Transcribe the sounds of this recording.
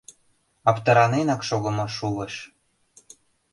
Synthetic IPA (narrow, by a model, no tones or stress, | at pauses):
ɑpt̪ɤ̆ɾɑnenɑkʃoɣɤ̆mɤ̆ʃulə̆ʃ